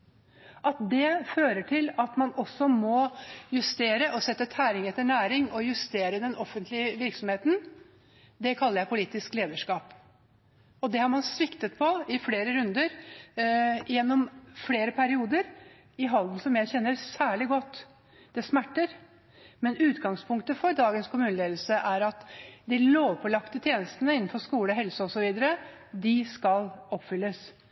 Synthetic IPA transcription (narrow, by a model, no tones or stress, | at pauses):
ʔɑt̪̚d̪ɛføːɾəʈʰɪlɑt̪mɑnɔsːɔmɔjʉst̪eːɾəʔɔsɛt̪ːət̪ʰæːɾɪŋɛt̪ːəɳæːɾɪŋɔjʉst̪eːɾəd̪ɛnɔfːənt̪lɪəʋɪɾksɔmheːt̪n̩ | d̪ɛkʰɑlːəɾjæɪpʰʊliːt̪ɪskleːd̪əʂkɑːp | ɔd̪ɛhɑɾmɑnsʋɪkt̪ət̪̚pʰɔɪfleːɾəɾʉnd̪əɾ | jɛnːɔmfleːɾəpʰæɾɪuːd̪əɾ | ɪɦɑld̪n̩sɔmjæɪçɛnːəɾsæːɭɪɡɔt̪ː | d̪̥ɛsmæʈːəɾ | mɛnʉːt̪ɡɑŋspʰʊŋkt̪əfɔɾd̪ɑːɡənskʊmʉːnəleːd̪l̩səʔæɾɑt̪d̪ɪloːʋpʰɔlɑkt̪ət̪ʰjeːnəst̪ənəɪnːn̩fɔʂkuːləɔɦɛlsəɔsɔʋiːd̪əɾə | d̪ɪskɑlɔpːfʏlːəs